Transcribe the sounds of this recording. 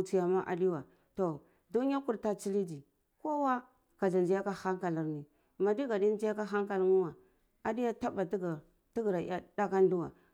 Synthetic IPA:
t͡si˨ja˨ma˦ʔa̰˨di˦wa˨ | to˨ | du˦ni˦a˦ku˨ɾta˦t͡ʃi˦li˦di˨ | ko˦wa˦ | ka˨d͡ʒa˨nd͡ʒi˦ja˦ka˦ha˦ŋka˨la˨ɾni˨ | ma˨di˦ɡa˨di˦nd͡ʒi˦ja˦ka˦ɦa˦ŋka˨lŋu˦wa˨ | a˨di˦ja˦ta˦ba˨tɡ | ti˦ɡɾa˨˦a˦da˦ka˦n˦du˦wa̰˨

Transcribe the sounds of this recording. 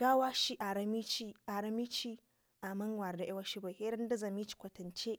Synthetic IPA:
ɡ̥aː˦waː˦ʃi˦ʔa˨ɾɐ˦mi˦t͡ʃi˦ʔa˨ɾɐ˦mi˦t͡ʃi˦ | ʔa˨mɐ˦ŋwa˨rda˨ʔa˦wa˦ʃi˦bɐ˨heː˦ɾɐ˦ndɐ˦zɐ˨mi˦t͡ʃi̥˨kʷɐ˨tɐ˨nt͡ʃe˦ʔ

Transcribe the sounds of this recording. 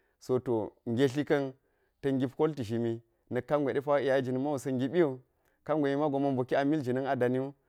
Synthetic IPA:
so˨to˨ŋ˨ɡʲe˦ɬ̬i˦kɐ˦n | tɐ˨ŋɡʲi˦pko˦lti˨ʃi˨mi˦ | nɐ˨kːa˦ŋɡʷe˨ɗe˦pa˦i˨ja˨˦i˦d͡ʒi˨ni˨ma˦wu˨sɐ˦ŋɡʲi˦ɓi˦jo˨ | ka˦ŋɡʷe˨mi˦ma˦ɡo˨ma˦nbo˨ki˦a˨mi˦ld͡ʒi˨nɐ˦ŋa˨da˨ni˦u˦

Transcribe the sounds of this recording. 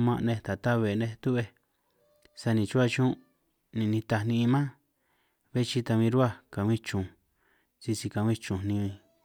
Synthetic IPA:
mã˧ʔnẽ˧t̪a˨t̪a˦βe˨nẽ˧t̪u˦βe˧ | sa˧nĩ˨t͡ʃu˦a˧t͡ʃũ˦ | nĩ˨nĩ˧t̪a˧˨nĩ˧i˧mã˦ | βe˦t͡ʃi˧t̪a˧βĩ˧ɾu˦a˦ka˨˧ĩ˦t͡ʃũ˨ | si˧si˧ka˨wĩ˦t͡ʃũ˨nnĩ˧

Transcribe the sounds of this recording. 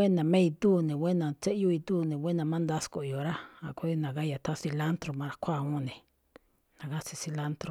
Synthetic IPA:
we˦nã˨mẽ˦i˧t̪uː˦˨nẽ˨wʷe˦nã˨˧t͡se˦ju˧˦i˧t̪uː˦˨˧nẽ˨we˦nã˧mã˦nd̪a˦sko˨jo˨ɾa˦a˨ku˧i˦nã˨ɣa˦ja˨t̪ʰa˦si˧la˦nt̪ɾo˨mã˧ɾa˧˦kʰʷa˦˨õ˦˧nẽ˨ | nã˨ɣa˦si˧si˧la˦nt̪ɾo˧

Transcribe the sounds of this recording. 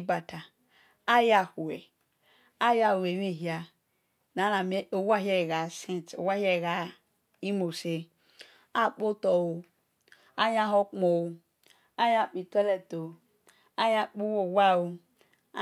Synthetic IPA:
ba˨ta˨ | a˦ja˨hu˨we˨ | a˦ja˦˨e˨we˦˨ɦi˨a˨ | na˨˦na˨me˦o˨wa˦ɦɛ˦˨ɣa˨sẽ˦n˨to̰˨wa˦hɛ˦˨ɣa˨ | i˦mo˨se˨ | a˦˨k͡po˦tɔ˨wo˨ | a˦ja˦ɦo˦k͡pmo˨wo˨ | a˦ja˦k͡pi˨tɔ˦lɛ˨to˨ | a˦ja˦k͡pu˦wo˨wa˦wo˨˦

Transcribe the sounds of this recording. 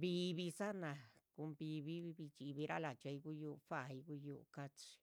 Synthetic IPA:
bi˧βi˧sa˦na˧ku˧mbi˧βi˧˦˧bi˧t͡ʃi˧βi˧ɾa˦la˨t͡ʃa˧jɡu˦ju˧fa˦˨i˧ɡu˦ju˧ka˦t͡ʃi̥˧

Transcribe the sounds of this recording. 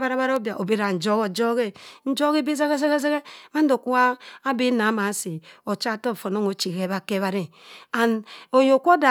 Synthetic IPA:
ba˦ɾa˦ba˦ɾo˦bja˨ʔo˨be˦ɾa˨n̩˨d͡ʒo˦ɣo˨d͡ʒo˦ɣe˦n̩˦d͡ʒo˦ɣe˦bi˦za˦ɣe˦ze˦ɣe˦ze˦ɣe˦ma˦n̩˦do˨ku˦aː˦bi˦na˨˦ma˨˦si˨o˨t͡ʃa˦˨to˦˨fo˨no˦ŋo˨t͡ʃi˨ɣe˦βa˨ke˦βa˦ɾe˨a˨no˨jo˨kʷo˦da˨

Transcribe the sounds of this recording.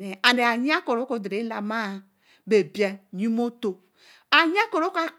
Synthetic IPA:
e˨a˨n˨de˨a˨ɲ˦a˦ko˨ɾo˦ko˨dɾe˨˦la˨ma˦˨ | be˨bi˨a˨ɲi˦mo˦to˨ | a˨ɲ˦a˦ko˨ɾo˦ka˦

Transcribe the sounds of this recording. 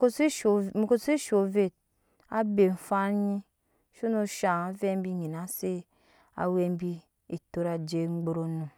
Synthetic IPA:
o˦si˦˨m˨ko˦si˦ʃo˨ve˦˨t̚ | a̰˦be˨ɱ̩˨fa˦ɲi˦ | ʃo˦no˦ʃa˨ŋa˨ve˦m˦bi˦ɲi˨na˨˦se˦ | a̰˨we˦m˦bi˦ | e˨to˦ɾa˨d͡ʒe˦˨ŋ͡m̩˦ɡ͡bo˦ɾo˦no˨

